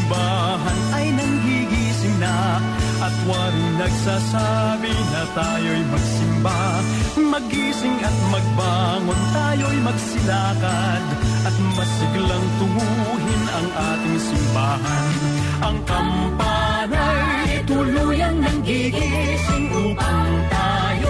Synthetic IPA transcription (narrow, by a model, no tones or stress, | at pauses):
baː | ɦɐnɐjnɐŋɡiɡisɪŋnɐ | ʔɐt̪waːɾɪjnɐɡsaːsabɪnɐt̪aːjojmɐɡ̚sɪmba | mɐɡisɪŋɐt̪̚mɐɡ̚baːŋont̪aːjojmɐɡsɪnaːkɐd̪ʔɐt̪̚mɐsɪɡlɐŋt̪ʊbu | ɦɪnɐŋʔaːt̪ɪŋsɪmbaːɦɐn | ʔɐŋpɐm | pa | nan | t̪ʊlujɐŋnɐŋɡiɡi | sɪŋʊʔɐŋt̪a | j